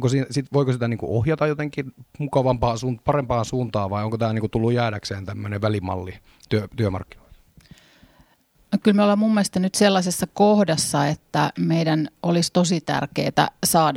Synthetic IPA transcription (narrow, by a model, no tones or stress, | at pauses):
ŋkosiːsit̪ʋoikosit̪æniːŋkṵohjɑt̪ɑjot̪eŋkːˑinmukɑʋɑmpɑːsuːnpɑrempɑːnsuːnt̪ɑːʋʋɑioŋkot̪æːlniːŋkut̪ulːujjæːdækseːnt̪æmːøneʋʋælimɑ̰lːi | t̪yøt̪yømɑ̰rkːino̥i | nokylmolɑmumːest̪ɑnyt̪selːɑsesːɑkohdɑsːɑet̪ːæmeidænolist̪osit̪æ̰rkḛːt̪æ̰sɑːd